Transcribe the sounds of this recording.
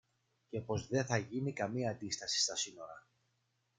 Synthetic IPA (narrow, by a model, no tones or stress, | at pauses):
ce̞po̞zðe̞θɐʝinikɐmiɐːnd̪ist̪ɐsi̥st̪ɐsino̞ɾɐ